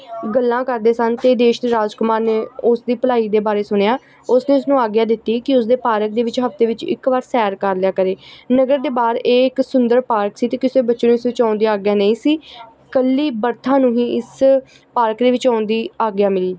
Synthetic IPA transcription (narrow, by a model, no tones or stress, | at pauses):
ɡəlːãːkəɾd̪eːsənt̪eːd̪eːʃd̪eːɾaːd͡ʒkʊmaːɾneːʊsd̪iːpəlaːiːd̪eːbaːɾeːsʊnjaː | ʊsneːʊsnũːaːɡjaːd̪ɪt̪ːiːkɪʊs̬d̪eːpaːɾək̚d̪eːʋɪt͡ʃɦəft̪eːʋɪt͡ʃɪ̰kʋaːɾsɛːɾkəɾlɪjaːkəɾeːnəɡəɾd̪eːbaːɾeːɪksʊnd̪əɾpaːɾksiːt̪eːkɪseːbətːʃːnũːɪsʋɪt͡ʃãːʊnd̪iːaːɡjaːnəĩːsiː | kəlːiːbəɾt̪ʰãːnũːɦĩːɪs | paːɾkd̪eːʋɪt͡ʃaːʊnd̪iːaːɡjaːmɪliː